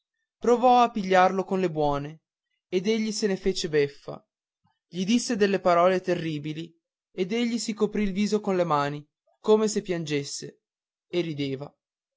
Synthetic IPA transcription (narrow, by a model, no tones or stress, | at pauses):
pɾovɔapːiʎːarlokonlebwɔːne | ed̪eʎːisenefeːt͡ʃebefːa̰ | ʎid̪isːed̪elːepaɾɔːlet̪erːiːbili | ed̪eʎːisikopɾilviːzokonlemaːni | koːmesepːjand͡ʒesːḛ | erːid̪eːva